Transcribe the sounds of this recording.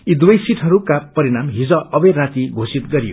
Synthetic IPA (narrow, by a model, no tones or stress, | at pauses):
id̪ujʌjsiʈʰʌɾukapʌɾinamɦid͡zʌʌbʌjrat̪iɡʱosit̪ɡʌɾijo̰